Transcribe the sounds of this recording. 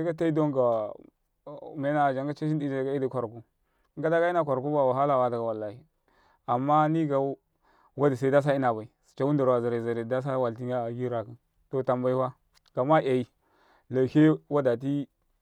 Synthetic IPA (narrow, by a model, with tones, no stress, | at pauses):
i˦ka˦ta˦i˦do˦ŋɡa˨ | me˦na˦˨d͡ʒa˨ŋɡa˦t͡ʃa˦ʃi˦di˦d͡ʒa˨ɡa˦i˦di˨kʷa˨ɾku˦ | ŋ˦ɡa˦da˦ɡi˦na˨kʷa˨ɾku˦ba˦˨wa˨ɦa˦la˨wa˨˦da˨ɡa˨wa˨lːa˨hi˨ | a˨mːa˦ni˦ɡa˨˦ | wa˦di˨s̬a˨i˦da˦s̬a˦i˦na˨ba˨i˨si̥˨t͡ʃa˦wu˦nda˨ɾa˨za˨ɾa˨za˨ɾe˨da˦s̬a˦wa˨lti˦ŋa˦˨ɡi˦ɾa˨ki˦n | to˨ta˨mba˨i˦wa˦ | ɡ̥a˨ma˦ʔa˨i˨ | la˨ke˦wa˦da˨t̬i˦